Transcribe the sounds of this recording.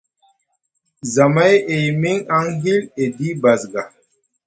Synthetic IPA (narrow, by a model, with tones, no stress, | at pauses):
za˨ma˦je˨jmi˦ŋa˦ŋɦi˦le˨di˦ba˨zɡa˨